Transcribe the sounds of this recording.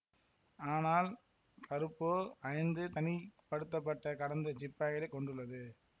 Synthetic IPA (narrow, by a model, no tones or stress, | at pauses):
aːnaːl | kɐɾɯpːoːɐɪnd̪ɯt̪ɐnɪpɐɽɯt̪̬ːɐp̬ːɐʈːɐkɐɽɐnd̪ɐt͡ʃɪpːaːɣɪlɐkːɔɳɖɯɭːɐðɯ